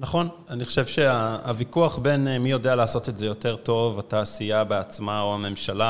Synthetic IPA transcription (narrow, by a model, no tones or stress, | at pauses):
naχo̞n | aniχo̥ʃe̞vʃe̞aːvikuaχbe̞nmijo̞dealaːso̞t̪etzejo̞te̞ʁto̞vataːsijabeat͡smaoame̞mʃala